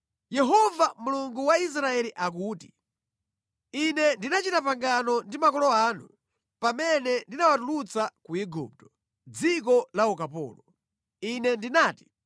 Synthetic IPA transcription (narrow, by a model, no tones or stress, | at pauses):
jɛɦɔvamuluŋɡuwais̬ɾaɛliʔak̬uːti | inɛndinat͡ʃitapaŋɡanɔndimakɔlɔaːnu | pamɛnɛndinawatulut͡sakuiɡṵp̚tɔ̥ | d͡zik̬ɔlaukapɔ̰ːlɔ | inɛndinaːti̥